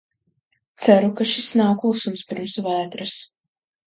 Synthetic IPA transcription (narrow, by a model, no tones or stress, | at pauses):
t̪sæɾukaʃisnawkusumspiɾmsvaːt̪ɾɨs